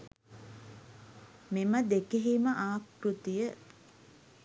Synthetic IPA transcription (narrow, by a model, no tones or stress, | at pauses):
meməd̪ekeɦiməʔaːkrut̪ijə